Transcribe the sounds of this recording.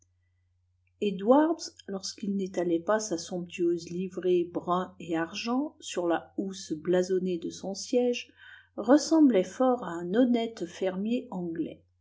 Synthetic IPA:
ed̪waʁd̪zlɔʁskilnet̪alɛpasasɔ̃p̚t̪yøzlivʁebʁɛ̃eaʁʒɑ̃syʁlausblazɔned̪əsɔ̃sjɛʒʁəsɑ̃blɛfɔʁaɛ̃nɔnɛt̪fɛʁmjeɑ̃ɡlɛ̰

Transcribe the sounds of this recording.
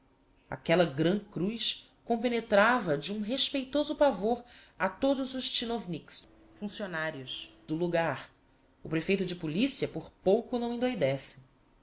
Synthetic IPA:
a̰kɛlɐɡɾɐ̃kɾujs | kõpenet̪ɾavɐd͡ʒɪũɦeʃpejt̪ozʊpavoɾ | at̪od̪ʊzʊʃt͡ʃinovniks | fũsionaɾjʊʃd̪̥ʊluɡaɾ | ʊpɾefejt̪ʊd͡ʒɪpulisiɐpoɾpowkʊnɐ̃w̃ĩnd̪ojd̪ɛsɪ̥

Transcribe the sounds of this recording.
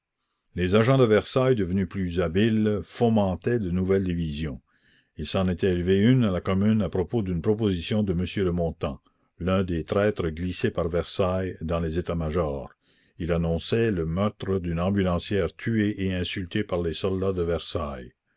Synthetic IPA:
lezaʒɑ̃d̪əvɛʁsajd̪əvnyplyzabilfɔmɑ̃t̪ɛd̪ənuvɛld̪ivizjɔ̃ | ilsɑ̃net̪ɛːlveynalakɔmynapɾopod̪ynpɾɔp̬ozisjɔ̃d̪əməsjøləmɔ̃t̪ɑ̃ | lɛ̃d̪et̪ɾɛːt̪ɾəɡlisepaʁvɛʁsajd̪ɑ̃lezet̪amaʒɔːʁ | ilanɔ̃sɛləmœʁt̪ɾəd̪ynɑ̃bylɑ̃sjɛːʁt̪ʰyeʔeɛ̃sylt̪ʰepaʁlesɔld̪ad̪əvɛʁsaj

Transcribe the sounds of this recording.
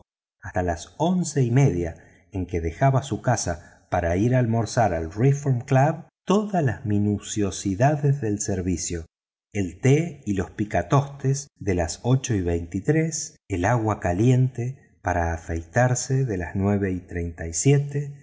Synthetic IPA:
ast̪alaso̞nseime̞ðja | eŋkeðexaβasukasa | paɾaiɾalmo̞ɾsaɾalrifoɾmklaβt̪o̞ðazlazminusjo̞siðaðezðe̞lseɾβisjo | elt̪eilo̞spikat̪o̞st̪esðelaso̞t͡ʃo̞iβejnt̪it̪ɾes | elaɣwakalje̞nt̪e | paɾaːfejt̪aɾseðe̞laznwe̞βe̞it̪ɾejnt̪ajsjet̪e

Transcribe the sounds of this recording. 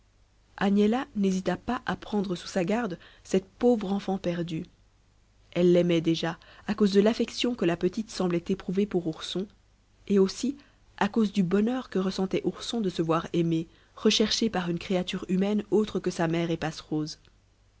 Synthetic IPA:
anelanezit̪apaʔapχɑ̃d̪ʁəsu̥saɡaʁd̪sɛt̪povʁɑ̃fɑ̃pɛʁd̪y | ɛlːɛmɛd̪eʒa | akozd̪əlafɛksjɔ̃kəlapət̪it̪sɑ̃blɛt̪epχuvepuʁuʁsɔ̃ | eosi | akozd̪ybɔnœʁkəʁəsɑ̃t̪ɛʔuʁsɔ̃d̪əsəvwaʁɛme | ʁəʃɛʁʃepaʁynkχeat̪yʁymɛnot̪χəkəsamɛːʁepasχoːz

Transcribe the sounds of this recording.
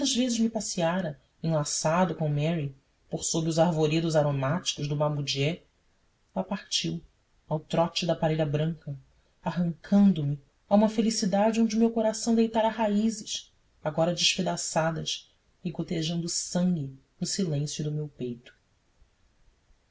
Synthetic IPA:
ɐzvezɪʒmipasiaɾɐ | ẽlasad̪ʊkõmɛɾi | poɾsobɾiʊzaɾvoɾed̪ʊzaɾomat͡ʃi̥kʊʒd̪ʊmabud͡ʒiɛ | ɛɐpaχt͡ʃiw | awt̪ɾɔt͡ʃɪd̪ɐpaɾeʎɐbɾɐ̃ŋkɐ | aɦɐ̃ŋkʰɐ̃nd̪ʊmɪ | aũmɐfelisid̪ad͡ʒɪõñd͡ʒɪʊumewkoɾasɐ̃w̃d̪ejt̪aɾɐɦaizɪʃ | aɡɔɾɐd͡ʒɪʃped̪asad̪ɐs | ɪkot̪eʒɐ̃nd̪ʊːsɐ̃ŋɡʲɪ | nʊsilẽsjʊd̪ʊmewpejt̪ʊ̥

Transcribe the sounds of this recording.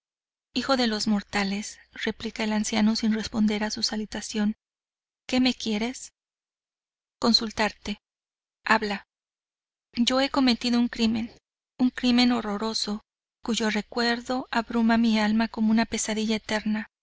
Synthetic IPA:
ixo̞ðe̞lo̞zmo̞ɾt̪ale̞sre̞plikae̞lansjano̞sinre̞spo̞nd̪e̞ɾasusalit̪asjo̞ŋ | ke̞me̞kje̞ɾe̞s | ko̞nsult̪aɾt̪e̞ | aβla | ɟ͡ʝo̞e̞ko̞me̞t̪iðo̞uŋkɾime̞n | uŋkɾimẽ̞no̞ro̞ɾo̞so̞ | kuʝo̞re̞kwe̞ɾðo̞ʔaβɾumamialmako̞mounape̞saðiʝae̞t̪e̞ɾna

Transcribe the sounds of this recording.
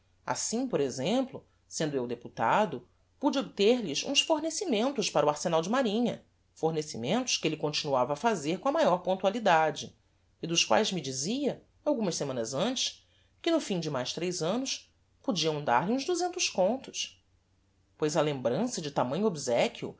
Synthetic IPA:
a̰sĩpoɾezẽmplʊ | sẽnd̪ʊewd̪eput̪ad̪ʊ | pud͡ʒɪobit̪eɾlɪsũsfoɾnesimẽnt̪ʊʃpaɾʊaɾsenawd͡ʒɪmaɾĩɲɐ̰ | foɾnesimẽnt̪ʊ̥ʃkɪelɪkõt͡ʃinuavɐːfazeɾkõɐmajɔɾpõnt̪ualid̪ad͡ʒɪː | d̪ʊskwa̰jzmɪd͡ʒiziɐ | awɡũmɐssemɐ̃nɐzɐ̃nt͡ʃɪ̥ʃ | kɪnʊfĩd͡ʒɪmajʃt̪ɾejzɐ̃nʊs | pod͡ʒiɐ̃w̃d̪a̰ɾliũzd̪uzẽnt̪ʊʃkõnt̪ʊs | pojzɐlẽmbɾɐ̃sɐd͡ʒɪt̪amɐ̃ɲʊobizɛkʰʲiʊ̰

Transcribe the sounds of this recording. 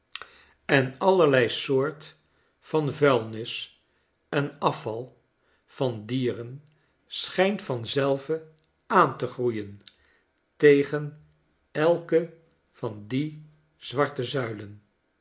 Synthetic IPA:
ɛnɑlˠəɹlɛjsoːɹt | fɑnvɛlˠnɪs | ɛnɑfɑlˠ | v̥ɑndiːrən | sχɛjntfɑnzɛlˠvə | aːntəχrujən | tejχən | ɛlˠkə | v̥ɑndi | z̥ʋɑɹtəzœɥlən

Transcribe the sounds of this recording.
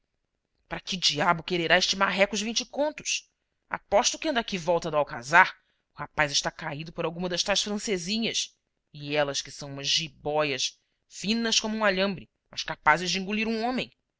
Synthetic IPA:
pɾɐkɪd͡ʒiabʊkeɾeɾaeʃt͡ʃimaɦɛkʊʒvĩnt͡ʃɪkõnt̪ʊ̥s | a̰pɔʃt̪ʊkɪɐ̃nd̪akivɔwt̪ɐd̪ʊawka̰zaɾ | ʊhapajzɪʃt̪akaid̪ʊpʊɾawɡũmɐd̪ɐʃt̪ajsfɾɐ̃sezĩɲɐs | ɪɛlɐskɪ̥sɐ̃w̃ũmɐzʒibɔjɐʃ | fĩnɐskõmʊũmaʎɐ̃mbɾɪ | mɐʃkapazɪzd͡ʒɪĩŋɡuliɾũõmẽj̃

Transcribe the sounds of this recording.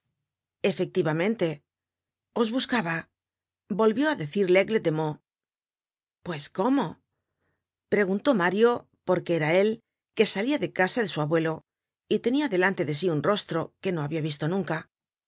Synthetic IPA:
e̞fe̞k̚t̪iβamẽ̞nt̪e̞ | o̞zβuskaβa | bo̞lβjo̞aðe̞θiɾle̞ɣlet̪e̞mo | pwe̞sko̞mo̞ | pɾe̞ɣ̞unt̪o̞maɾjo̞ | po̞ɾke̞eɾae̞l | ke̞saliaðe̞kasaðe̞suaβwe̞lo̞ | it̪e̞niaðe̞lant̪e̞ðe̞s̬iunro̞st̪ɾo̞ke̞no̞aβiaβist̪o̞nũŋka

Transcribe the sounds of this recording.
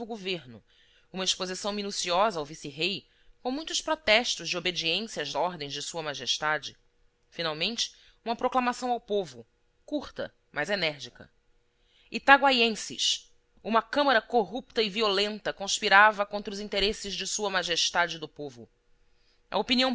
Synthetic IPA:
ʊɡoveɾnʊ | ũmɐeʃpozisɐ̃w̃minusiɔzɐawvisiɦej | kõw̃mũj̃t̪ʊʃpɾot̪ɛʃt̪ʊzd͡ʒɪobed͡ʒiẽsjɐazɔɾd̪ẽj̃zd͡ʒɪsuɐmaʒeʃt̪ad͡ʒɪ | finawmẽnt͡ʃɪ̥ | ũmɐpɾoklamasɐ̃w̃awpovʊ | kuɾt̪ɐ̰ | majzenɛɾd͡ʒikɐ̰ | ɪt̪aɡwajẽsɪ̰ʃ | ũmɐkɐ̃mɐɾɐkoɦupt̪ɐɪviolẽnt̪ɐkõʃpiɾavɐkõnt̪ɾʊzĩnt̪eɾesɪʒd͡ʒɪsuɐmaʒeʃt̪ad͡ʒɪd̪ʊpovʊ̰ | ɐ̰opiniɐ̃w̃

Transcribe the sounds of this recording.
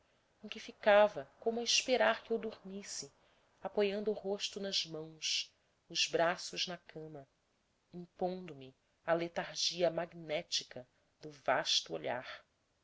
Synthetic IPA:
ẽkʲɪfikavɐkõmʊɐɪʃpeɾaɾkɪewd̪uɾmisɪ | apojɐ̃nd̪ʊːhoʃt̪ʊnɐzmɐ̃w̃s | ʊzbɾasʊʒnɐkʰɐ̃mɐ | ĩpõnd̪ʊmɪ | ɐlet̪aɾʒiɐmaɡnɛt͡ʃikɐ | d̪ʊvaʃt̪ʊoʎa̰ɾ

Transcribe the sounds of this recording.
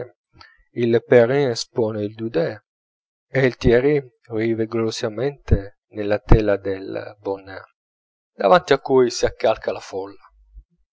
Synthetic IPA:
ilpeɾinspɔːneild̪ud̪ɛ | eilt̪jɛɾi | viːveɡlolosamɛnt̪e | nelːat̪ɛlad̪elbɔnːɛ | d̪avant̪iakːujsiakːalkʰalafɔlːa

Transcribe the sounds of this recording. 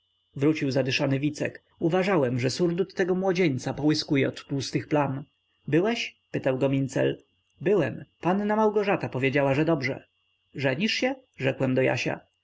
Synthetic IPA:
vɾut͡ɕiwzad̪ɘʂanɘvʲit̪sɛ̰k | uvaʐawɛmʐɛsuɾd̪ut̪ːɛɡɔmwɔd͡ʑeɲt̪sapɔwɘskujɛɔt̪pust̪ɘxplan | bɘwɛɕpɘt̪awɡɔmʲint̪sɛ̰l | bɘwɛmpanːamawɡɔʐat̪apɔvʲjed͡ʑawaʐɛd̪ɔbʐɛ̰ | ʐɛɲiʂɕɛ | ʐɛkwɛmd̪ɔja̰ɕa̰

